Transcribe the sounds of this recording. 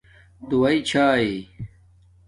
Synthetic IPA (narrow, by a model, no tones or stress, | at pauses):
d̪uwɐit͡ɕʰaːi